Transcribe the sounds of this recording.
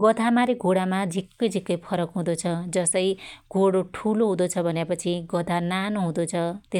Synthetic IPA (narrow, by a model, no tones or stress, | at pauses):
ɡʌd̪ʱamaɾeɡʱoɽamad͡zʱikːʌjd͡zʱikːʌjpʰʌɾʌkɦũd̪ot͡sʰʌd͡zʌsʌjɡʱoɽoʈʰuloɦũd̪ot͡sʰʌbʱʌnepʌt͡sʰiɡʌd̪ʱananoɦũd̪ot͡sʰʌt̪e